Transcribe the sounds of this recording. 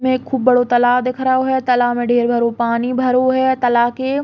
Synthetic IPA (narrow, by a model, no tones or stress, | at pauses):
mẽːkʰːuːbːɐɽot̪ɐlaːd̪ɪkʰɾaoɦɛt̪ɐlamẽɖʱeːɾbʱɐɾopaːnibʱɐɾoɦɛːt̪ɐlaːke